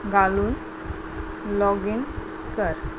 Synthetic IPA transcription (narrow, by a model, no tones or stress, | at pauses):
ɡaluːn | lɔɡin | kəɾ